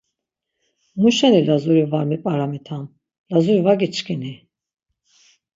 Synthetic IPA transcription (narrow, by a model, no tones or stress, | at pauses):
muʃɛnilazuɾivaɾmipʼaɾamit̪ʰan | lazuɾivaɡit͡ʃʰkʰʼini